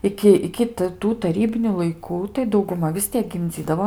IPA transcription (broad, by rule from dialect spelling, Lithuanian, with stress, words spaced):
ˈɪkʲɪ ɪkʲɪ t ˈtuː tɐˈrʲiːbʲɪnʲʊ lˠɐɪˈkuː tɐɪ dɐʊɡʊˈmɐ ʋʲɪs ˈtʲiɛk ɡʲɪmʲˈd͡zʲiːdɐʋoː